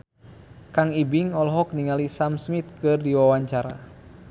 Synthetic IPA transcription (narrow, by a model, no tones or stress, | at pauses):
kaŋibiŋɔlɦɔk̚niŋalisamsmit̪̚kɨrdiwawaɲt͡ʃaɾa̰